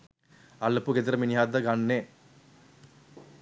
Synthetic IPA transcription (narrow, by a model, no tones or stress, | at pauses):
ɐɭːɐpːuɡed̪iɾɐminjaːd̪ɐɡɐɳːe